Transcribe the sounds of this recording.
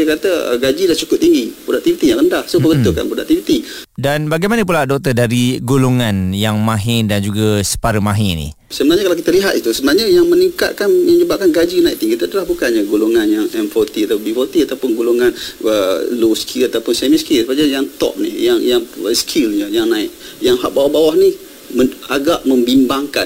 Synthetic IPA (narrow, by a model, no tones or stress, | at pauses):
akɾat̪əə̰ɡad͡ʒilaht͡ʃukʊp̚t̪iŋɡipɾodak̚t̪ifit̪ijaŋrəndahsobəbət̪ʊka̰npɾodak̚t̪ifit̪idanbaɡajmanəp̬uladɔk̚t̪ədaɾiɡoloŋanjaŋmaɦɪndand͡ʒuɡasə̥paɾəmaɦɪnḭ | səmənaɲəkalawkit̪aliɦat̪it̪usəbənaɦɲəjaŋməniŋka̰t̪̚kanməŋd͡ʒəbaʔ̚kanɡad͡ʒinaiʔ̚t̪iŋkit̪aadalahbukanɲaɡoloŋanjaŋɛnfɔrt̪iat̪abifɔrt̪iat̪awpʊnɡoloŋanəloskʰilat̪awpʊnsɛmiskilsəpad͡ʒajaŋt̪ɔ̰ʔ̚nḭjaŋjaŋəskʰilɲəjaŋnaɪk̚ | jaŋhaʔ̚bawahbawahni | məaɡaʔmə̃mbimbaŋkan